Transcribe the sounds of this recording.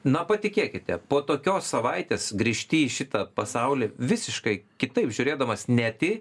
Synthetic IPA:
nɐpɐt̪ʲɪkʲeːkʲɪt̪ʲɛpoːt̪oːkʲoːssɐʋɐɪt̪ʲeːsɡɾʲiːʃʲt̪ʲiiʃʲɪt̪ɐpɐsɐʊlʲiːʋʲɪsʲɪʃkɐɪkʲɪt̪ɐɪpʒʲʊɾʲeːd̪ɐmɐsnʲæt̪ʲɪ

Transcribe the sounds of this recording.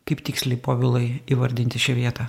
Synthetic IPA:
kɐɪpt̪ʲɪːksʲlʲɛɪpoːʋʲɪlˠɐɪiːʋɐɾʲd̪ʲɪnʲt̪ʲɪʃʲɛʋʲiɛt̪ɐ

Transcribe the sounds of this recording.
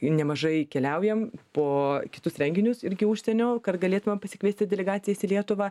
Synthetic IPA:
nʲɛmɐʒɐɪkʲɛlʲɛʊjɛmpoːkʲɪ̥t̪ʊsɾʲɛŋʲɡʲɪnʲʊsɪɾʲɡʲɪuːʃʲsʲɛnʲoːkɐt̪ɡɐlʲeːt̪ʊmʲɐmpɐsʲɪ̥kʋʲeːsʲt̪ʲɪdʲɛlʲɛɡɑːtt͡s̪ʲɪjɛsilʲiɛt̪ʊʋɑː

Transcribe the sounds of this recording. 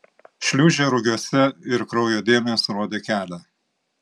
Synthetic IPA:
ʃʲlʲuːʒʲeːɾʊɡʲuɔsʲɛɪɾkɾɒʊjoːd̪ʲeːmʲesɾoːd̪ʲekʲæːlʲæ

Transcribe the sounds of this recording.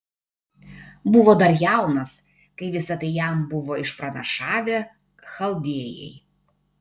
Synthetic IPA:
bʊʋoːd̪ɐɾjæˑʊnɐs | kɐɪʋʲɪsɐt̪ɐɪjæˑmbʊʋoːɪʃpɾɐnɐʃɑːʋʲe | xɐlˠd̪ʲiɛjɛ̰ɪ

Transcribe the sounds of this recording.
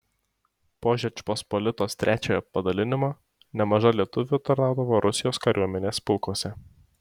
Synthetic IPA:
poːʒʲɛt͡ʃʲpɔspɔlʲɪt̪oːst̪ʲɾʲæːt͡ʃʲoːjɛpɐd̪ɐlʲɪnʲɪmɑː | nʲɛmɐʒɐlʲiɛt̪ʊʋʲʊt̪ɐɾnɑˑʊd̪ɐʋoːɾʔʊsʲɪjoːskɐɾʲʔuɔmʲɛnʲeːspʲɪlˠkuɔsʲɛ

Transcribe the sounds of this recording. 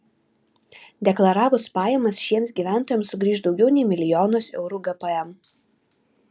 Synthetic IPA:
d̪ʲɛklˠɐɾɑːʋʊspɑːjɛmɐsʃʲiɛmsɡʲiːʋʲæˑnt̪oːjɛmssʊɡɾʲiːʃ̬d̪ɒʊɡʲɛʊnʲɛɪmʲɪlʲɪjɔːnoːsɛ̰ʊɾuːɡɐpɐɛm

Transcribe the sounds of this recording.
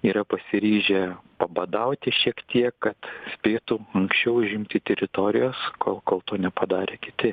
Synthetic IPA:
iːɾɐpɐsʲɪɾʲiːʒʲɛpɐbɐd̪ɐʊt̪ʲɪʃʲiɛkt̪ʲiɛkkːɐt̪sʲpʲeːt̪ʊɐŋksʲt͡ʃʲɛʊʊʒʲɪmʲt̪ʲɪːt̪ʲɛɾʲɪt̪oːɾʲɪjoːskoːlˠkoːlˠt̪oːnʲɛpɐd̪ɑːɾʲeːkʲɪt̪ʲɪ

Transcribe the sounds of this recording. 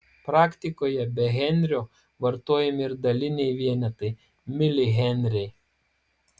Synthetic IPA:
pɾɑːkʲt̪ʲɪkoːjɛbʲɛɣʲɛnʲɾʲoː | ʋɐɾt̪oːjɛmʲɪɾd̪ɐlʲɪnʲɛɪʋʲiɛnʲɛt̪ɐɪ | mʲɪlʲɪɣʲɛnʲɾʲɛɪ

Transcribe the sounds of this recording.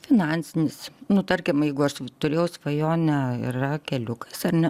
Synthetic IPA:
fʲɪnɑnʲsʲɪnʲɪsnʊt̪ɐɾʲkʲɪmjɛɪɡʊɐʃt̪ʊɾʲeːjɛʊsʋɐjoːnʲɛɪ̰rɐkʲɛlʲʊkɐsɐrnʲɛ

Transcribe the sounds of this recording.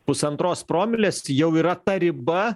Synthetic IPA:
pʊsɐnt̪ɾoːspɾoːmʲɪlʲeːsjɛʊiːɾɐt̪ɐɾʲɪbɐ

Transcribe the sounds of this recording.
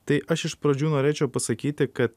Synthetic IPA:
t̪ɐɪʔɐʃɪʃpɾɐd͡ʒʲuːnoːɾʲeːt͡ʃʲɛʊpɐsɐkʲiːt̪ʲɪkɐt̪

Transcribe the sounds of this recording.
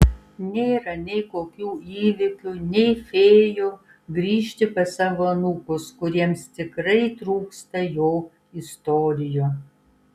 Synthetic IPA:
nʲeːɾɐnʲɛɪkoːkʲuːiːʋʲɪkʲunʲɛɪfʲeːjo | ɡɾʲiːʃʲt̪ʲɪpʲɐsɐʋɐnukʊskʊɾʲiɛmst̪ʲɪkɾɐɪt̪ɾuːkst̪ɐjoː | ɪst̪oːɾʲɪjoː

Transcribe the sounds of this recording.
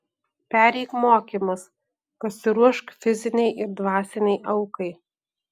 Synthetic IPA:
pʲæːɾʲɛɪkmoːkʲimɐs | pɐsʲɪɾuɔʃkfʲɪzʲɪnʲɛɪʔɪɾd̪ʋɑːsʲɛnʲɛɪʔɐʊkɐɪ

